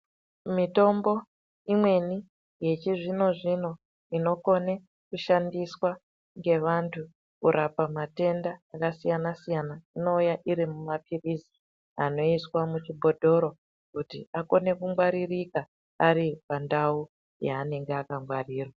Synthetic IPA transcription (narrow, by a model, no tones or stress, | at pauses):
mito̞mbo̞ | imwe̞ni | je̞t͡ʃiʐino̞ʐino̞ | ino̞ko̞ne | kuʃandiswa | ŋɡe̞ʋantʰu | kuɾʔapamate̞ndaːkasijanasijanaino̞ujaʔiɾimumapʰirizi | a̰no̞iswamut͡ʃibʱo̞dʱo̞ɾo̞ | kutiako̞ne̞kumɡwaɾirika | aɾipandau | jaːne̞ŋɡeakaŋɡwariːrwa